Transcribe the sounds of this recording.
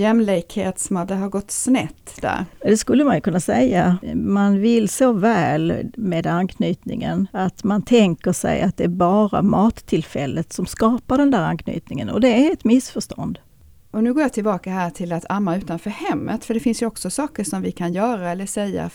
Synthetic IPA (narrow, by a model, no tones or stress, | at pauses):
jɛmlɪkheːt̪sɔmad̪ɦaɾɡɔt̪ːsnɛt̪ːd̪æ̰ɾd̪ɛskɵlːəmanjɵkʰɵnːasɛjːamanvɪlsɔvɛːlmeːd̪ankʰnyːt̪nɪ̰ŋə̰nat̪mant̪ʰɛŋkəʂɛ̰ja̰t̪̚d̪ɛæɾbɑːɾa̰mɑːt̪ʰːɪlfɛlːət̪sɔmskɑːpaɖɛnd̪æːɾankʰny̰ːt̪nɪŋə̰nɔ̰d̪ɛæɛt̪mɪsfœʂt̪ɔ̰nd̪ | ʔɔnʉ̟ːɡoːjat̪ʰɪlbɑːkaɦæːʈʰɪlat̪ʰamːaʉ̟ːt̪anfœːɾhɛmːə̰t̪fœɖɛfɪnsjɵɔksɔsɑːkəʂɔmvɪkʰanjœːɾaɛlːəʂɛjːa̰